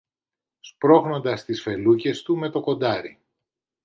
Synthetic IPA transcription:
spɾo̞ɣno̞nd̪ɐst̪isfe̞luce̞st̪ume̞t̪o̞ko̞nd̪ɐɾi

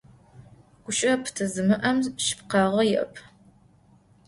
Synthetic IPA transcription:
ɡ̥ʷʊɕʼɐpʰtʰɨzɨmɨʔɐmzʃɪ̥pqɑʁɐjɪʔɐ̰pʰ

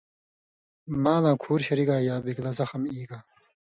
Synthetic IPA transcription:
maːlãːkʰuːɾɕɐɾiɡaːjaːbiklɐzɐxɐmiːɡaː

